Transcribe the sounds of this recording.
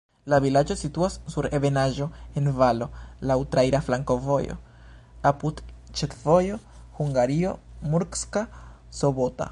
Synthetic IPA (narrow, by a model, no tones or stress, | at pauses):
lavilad͡ʒo̞situasːuɾe̞be̞naʒo̞e̞nvalo̞lawtɾaiɾaflaŋko̞vo̞jo̰ | apudt͡ʃetvo̞jo̞huŋɡaɾio̞muɾkska | sobota̰